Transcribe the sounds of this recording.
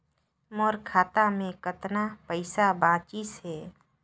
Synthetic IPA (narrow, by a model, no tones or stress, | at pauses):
moːɾkʰaːt̪amẽkət̪napəɪsabãːt͡ʃiːsɦɛː